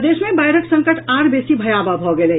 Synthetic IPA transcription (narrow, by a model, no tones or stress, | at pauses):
d̪esmebajɾəksə̃ŋkəʈaɾbesibʱəjababʱɔɡelɛ